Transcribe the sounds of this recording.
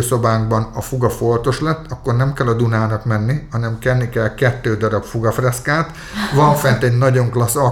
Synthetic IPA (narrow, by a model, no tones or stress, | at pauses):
so̞baːŋɡbɒnɒfuɡɒfo̞lt̪o̞ʃlɛt̪ːɒkːo̞rnɛmkɛlːɒd̪unaːnɒkmɛnːihɒnɛmkɛlnikɛlkɛt̪ːøːd̪ɒɾɒpfuɡɒfrɛskaːt̪ | ʋɒɱfɛnt̪ɛɟnɒɟo̞ŋklɒsːɒ